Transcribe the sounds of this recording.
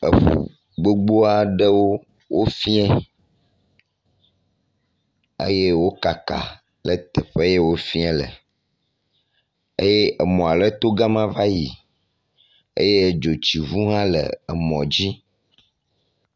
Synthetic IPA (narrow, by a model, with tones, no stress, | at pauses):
ə̰˨ɸṵ˨ | ɡ͡bo˦ɡ͡bo˦a˦ɖə˦wo˦ | wo˦fi˦ɛ̃˦ | ḛ˦je˦wo˦ka˨ka̰˨ | lə˨t̪e˨ɸe˦je˦wo˦fi˦ɛ̃˦lə̰˨ | e˦je˦ʔə˨mɔ̃˨a˨lə˦t̪o˦ɡa˦mã˦va˦ji˨ | ḛ˦je˦˨d͡ʒo˨t͡ɕi˨vu˦ɦã˦lə̰˨ə˨mɔ̰̃˨d͡ʑi˦